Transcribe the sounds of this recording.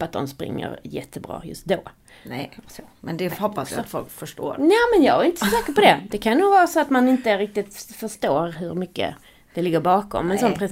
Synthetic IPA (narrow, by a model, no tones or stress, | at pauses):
at̪̚d̪ɔ̰mspɾɪ̰ŋːə̰ɾjɛ̰t̪ʰːəbɾɑ̰ːjɵ̰st̪̚d̪oː | nɛsomɛnd̪ɛɔpːasj̰at̪fɔlkfœʂʈo̰ːɾnɛːmɛnjɑːɡaɾɪnt̪əsɔsɛːkəpɔd̪ɛd̪̥ɛkʰannuːɡvɑːɾasoat̪manɪnt̪əɾɪk̚t̪ɪt̪fœʂt̪oːɾɦɵɾmʏkːə̰ | d̪̥ɛlɪɡːəɾbɑːkɔ̰mɛnsɔnpʰɾɛ